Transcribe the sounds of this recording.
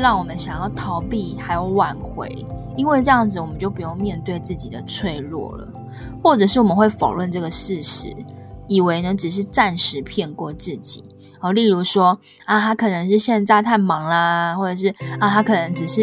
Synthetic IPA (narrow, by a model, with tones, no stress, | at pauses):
ɻɑ˥˩ŋwɔ˨˩mə˦nɕjɑ˨˩ŋjɑ˥˩ʊt̪ʰɑ˧˥ʊpi˨˩xa˧˥ɪjo˧˥ʊwa˨˩nxwḛ˧˦ɪ | i˥nwe˥˧ɪʈ͡ʂɤ˥˧jɑ˥˩ŋd͡zɹ̩˨wɔ˨˩mə˦nt͡ɕjo˥˩ʊp̬u˧˥jo˥˧ŋmjɛ˥˧nt̪we˥˧ɪt͡sɹ̩˥˩t͡ɕi˨˩d̪ə˩t͡sʰwe˥˧ɪlwɔ̰˥˩lə̰˩ | xwɔ˥˩ʈ͡ʂɤ˨˩ʂ̬ɻ̩˥˩wɔ˨˩mə˦xwe˥˩ɪfo˨˩ʊwə˥˧nʈ͡ʂɤ˥˩ɡə˩ʂɻ̩˥˩ʂɻ̩˧˦i˨˩we˧˥ɪnə˧˥ʈ͡ʂɻ̩˨˩ʂ̬ɻ̩˥˧ʈ͡ʂa˥˩nʂɻ̩˧˥pʰjɛ˥˧nkwɔ˥˧t͡sɹ̩˥˩t͡ɕi˨˩˦ | ɔ˩li˥˩ɻu˧˥ʂwɔ˥ | a˧˩t̪ʰa˥kʰɤ˨˩nə˧˦ŋʂ̬ɻ̩˥˧ɕjɛ˥˧nt͡sa˥˧ɪt̪ʰa˥˩ɪmɑ˧˥˦ŋla˧xwɔ˥˩ʈ͡ʂɤ˨˩ʂ̬ɻ̩˥˩a˧t̪ʰa˥kʰɤ˨˩nə˧˦˥ŋʈ͡ʂɻ̩˨˩ʂɻ̩˥˩